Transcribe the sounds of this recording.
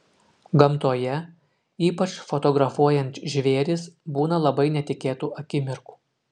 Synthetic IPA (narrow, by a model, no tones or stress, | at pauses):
ɡɐmˑt̪oːjɛ | iːpɐt͡ʃfɔt̪ɔɡɾɐfuɔjɛnʲt̪ʒʲʋʲeːɾʲɪsbuːnɐlˠɐbɐɪnʲɛt̪ʲɪkʲeːt̪uːʔɐkʲɪmʲɪɾku̥ː